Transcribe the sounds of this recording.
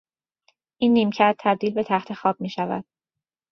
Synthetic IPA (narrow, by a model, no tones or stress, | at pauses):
ʔiːnːiːmcʰæɾd̪̚t̪ʰæb̚d̪iːlbe̞t̪ʰæxt̪ʰe̞xɒːb̥̚miːʃævæ̰d̪̥̚